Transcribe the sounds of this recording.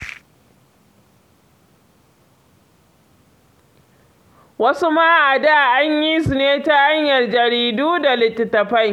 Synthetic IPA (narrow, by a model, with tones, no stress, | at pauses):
wɐ˦su˦ma˦ʔa˨daː˦ʔa˦ɲji˦su˨neː˦ta˦ʔa˦ɲjɐ˨rd͡ʒɐ˨ɾiː˦duː˦da˨lɪ˨tːɪ˨tɐ˨ɸa˦˨j